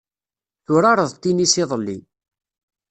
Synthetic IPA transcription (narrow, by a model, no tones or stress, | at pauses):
θʊɾaɾˤəðˤt̪ːinisɪðˤəlːi